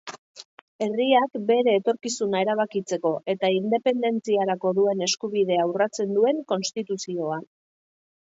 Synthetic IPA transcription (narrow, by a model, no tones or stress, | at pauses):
e̞riakbe̞ɾe̞ːt̪o̞ɾkisunae̞ɾaβ̞akit͡se̞ko̞ʔe̞t̪aind̪e̞pe̞nd̪e̞nt͡siaɾako̞ðue̞ne̞skuβiðe̞awrat͡se̞nd̪ue̞ŋko̞nst̪it̪usio̞a